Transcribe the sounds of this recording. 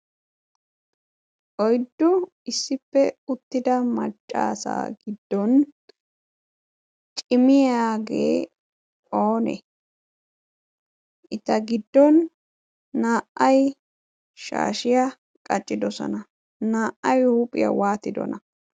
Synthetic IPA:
ʔɔjd̪ːʊ | ɪsːɪpːɛʊt̪ːɪd̪ɐmɐ̰t͡ʃʼːa̰ːsa̰ːɡɪd̪ːɔn | t͡ʃʼɪmɪjaːɡḛː | o̞ːnɛ̰ | ʔɪt̪ɐɡɪd̪ːɔnː | aːʔɐj | ʃa̰ːʃɪjɐ | kʼɐt͡ʃʼːɪd̪ɔsɔ̰nɐ | naːʔɐjhuːpʼɪjɐ̰waːt̪ɪd̪ɔ̰nɐ

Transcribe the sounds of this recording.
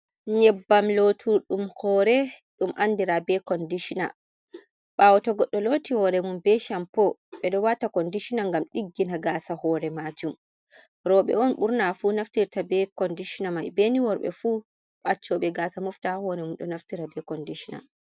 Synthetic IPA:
ɲɛbːamlotʰuɗumhɔːɾɛɗumʔandiɾabɛkɔndiʃina̰ | ɓawɔtɔɡɔɗːɔlotihɔɾɛmunbɛʃampɔɓɛɗɔwatakɔndiʃinaŋɡamɗiɡːinaɡaːsahɔːɾɛmad͡ʒum | ɾɔɓɛ̰ɔnɓuɾnafunaftiɾtabɛkɔndiʃinamajbeniwɔɾɓɛ̰fu | ɓat͡ʃːɔɓɛɡaːsamuftahɔɾɛmunɗɔnaftiɾabɛkɔndiʃina̰

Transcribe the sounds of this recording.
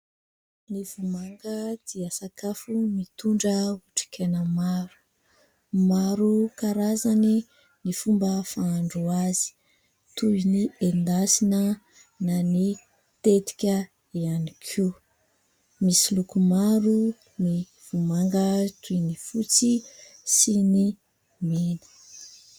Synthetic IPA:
nivumaŋɡəd̪̥iəsakafumit̪uɳɖ͡ʐəuʈ͡ʂi̥kʰenəmaɾu̥ | maɾukaɾazani | nifumbəfaːɳɖ͡ʐuazi̥ | t̪uniend̪asinə | nani | t̪et̪i̥kʲə | ianikʰi | misilukumaɾu | ni | v̥umaŋɡət̪ʰujnifut͡sisini | minə̥

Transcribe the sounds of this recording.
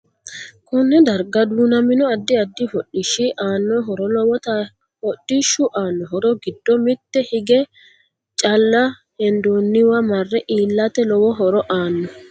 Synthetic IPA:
kʊnːɛd̪ɐɾɡɐd̪uːnɐmɪnɔɐd̪ːɪɐd̪ːɪfɔɗɪʃːɪʔaːnːɔɦɔɾɔlɔwɔt̪ɐ | hɔɗːɪʃːʊʔaːnːɔɦɔɾɔɡɪd̪ːɔmɪt̪ːɛhɪɡɛ | t͡ʃʼɐlːɐ | hɛnd̪uːnːɪwɐmɐrːɛʔiːlːɐt̪ɛlɔwɔɦɔɾɔʔaːnːɔ

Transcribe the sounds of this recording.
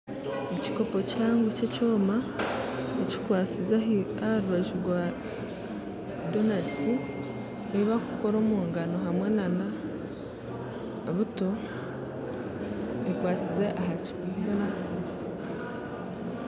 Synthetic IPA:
eci̥ko̞po̞caːŋɡuceco̞ːma | eci̥kwaːt͡sizaahɾuβaʒuwa | do̞nati | eiβakuko̞ɾo̞ːmuːŋɡano̞ɦamwe̞nana | βuto̞ | ekwaːt͡sizeʔaɦaciβuːmbaɾa

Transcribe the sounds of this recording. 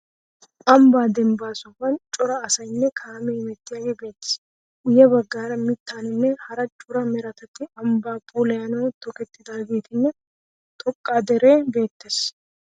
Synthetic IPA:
ɐmbaːd̪ɛmbaːsʊfɐnt͡ʃʼɔɾɐːsɐjnːɛkʰaːmɛmɛt̪ːɪjaːɡɛbe̞ːt̪ːɪ̥s | ʔʊjɛbɐɡːaːɾɐmɪt̪ːaːnɪnːɛhɐɾɐt͡ʃʼʊɾɐmɛɾɐt̪ɐt̪ːɪɐmbaːpʼulɐjɐnɐwt̪ɔkɛt̪ːɪd̪aːɡe̞ːt̪ɪnːɛ | t̪ʼɔkʼːaːd̪ɛɾe̞ːbe̞ːt̪ːes

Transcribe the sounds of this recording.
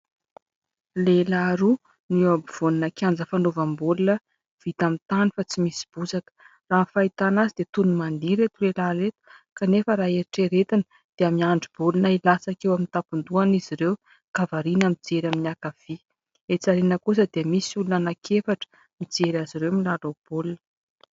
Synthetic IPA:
lelaɾu | niabiv̥oninakʲand͡zəfanovambulunə | v̥it̪amint̪anifat͡simisi̥b̥uzakə̥ | raːnfait̪anazid̪̥et̪unumand̪iɾet̪ulelaɾet̪u̥kanefəɾaːeɾiʈ͡ʂeɾet̪inə | d̪̥eamiaɳɖ͡ʐib̥ulunailasakewamint̪apund̪uaniziɾew | kavaɾinamid͡zeɾaminiakav̥i | et͡saɾinəkus̬əd̪emisulunanakʰefaʈ͡ʂə̥ | mid͡zeɾaziɾewmilalob̥olunə

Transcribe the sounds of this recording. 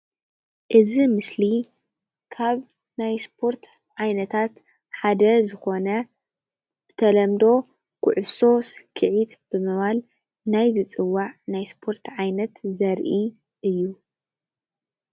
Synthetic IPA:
ʔɨzimɨsli | kʰaβ | najspʰo̞ɾt̪ʰ | ʕajnɐt̪ʰat̪ | ħad̪ɐzɨxo̞nɐ | b̥ɨ̥t̪ʰɐlɐmd̪o̞ | kʰʊ̰ʕʊso̞skʰɨʕit̪b̥ɨmɨβal | najzɨt͡sʼɨwːaʕnajspʰo̞ɾt̪ʕajnɐt̪zɐɾʔi | ʔɨjːu

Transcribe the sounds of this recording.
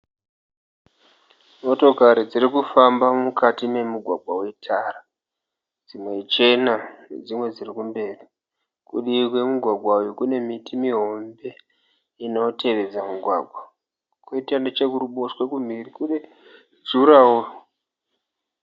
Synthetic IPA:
mo̞to̞kaɾid͡zirikufambamukatime̞muɡʱwaɡʱwawetʰaːra | d͡zimwet͡ʃe̞nanḛd͡zimwe̞d͡zirikumbe̞ːri | kuɗikwemuɡʱwaɡʱwawikune̞mitimiɦo̞mbe̞ | ino̞tʰe̞ʋe̞d͡zamuɡʱwa̰ɡʱwa | koitianet͡ʃekuruɓoswekum̤irikuɗe | d͡zuɾawo

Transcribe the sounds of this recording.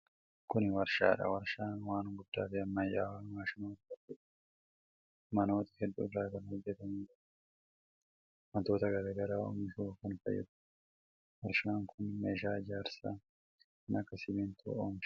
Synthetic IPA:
kʊnɪwɐɾʃa̰ːᶑɐ̰wɐɾʃaːnwaːnɡʊd̪̥ːaːfɪɐmːɐjːaːwaːnwaːʃɪnot̪ɐdɛᶑ | mɐno̞ːt̪ɪ̥hɛd̪ːʊ̰dɾaːt̪ɐnhɔd͡ʒːɛt̪ɐmɪːd͡ʒɐɾ | mɐt̪o̞ːt̪ɐɡɐɾɐɡɐɾaːo̰mɪʃoːkɐnfɐ̰jːɛ̰d̪ʊ̥ | wɐɾʃaːŋkʰʊnme̞ːʃaːɪd͡ʒaːɾsa̰ː | nɐkːɐsɪmiːnt̪ʰʊ̰o̰ːmʃ

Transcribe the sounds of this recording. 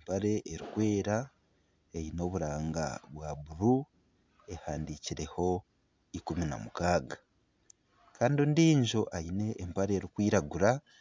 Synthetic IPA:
empaɾe̞ʔːɾikwe̞ːɾa | ejino̞βuɾaːŋɡa̰βwaβuɾu | e̞haːndiːciɾe̞ho̞ | ikumina̰mukaːɡa | kaːndiondiːɲʒo̞ʔaine̞ʔːmpaɾe̞ɾikwiːɾaɡuɾa

